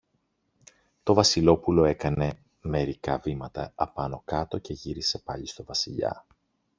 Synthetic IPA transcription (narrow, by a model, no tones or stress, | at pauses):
t̪o̞vɐsilo̞pulo̞e̞kɐne̞ | me̞ɾikɐvimɐt̪ɐɐpɐno̞kɐt̪o̞ce̞ʝiɾise̞pɐʎist̪o̞vɐsiʎɐ̰